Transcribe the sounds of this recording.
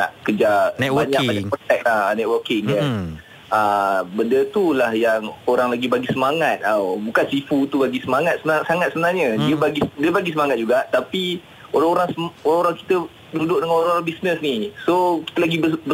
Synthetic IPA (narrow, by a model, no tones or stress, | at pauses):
na̰ʔkəd͡ʒanɛtwbaɲaʔbaɲakpəfɛk̚lahnɛt̪̚wəkɪŋkan | əbəndət̪ulahjaŋoɾaŋlaɡibaɡisəmaŋat̪̚abukansifut̪ubaɡisəmaŋat̪̚səmsaŋat̪̚səbənarɲədiəbaɡidiəbaɡisəmaŋat̪̚d͡ʒuɡaʔt̪api | oɾaŋoɾaŋsəoɾãŋoɾaŋki̥t̪ə | dudʊk̚dəŋãnoɾãoɾaŋbisnəsnisoki̥t̪əlaɡibbə